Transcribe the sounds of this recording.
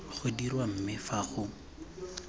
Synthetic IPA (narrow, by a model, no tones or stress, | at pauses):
χʊdirwam̩mɪfaχʊ